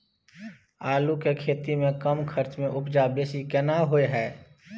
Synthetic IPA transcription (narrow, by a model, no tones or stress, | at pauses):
aːlukekʰeːt̪imẽkəmkʰəɾt͡ʃmẽʔʊpd͡ʒabeːsikɛnaɦoeɦɛː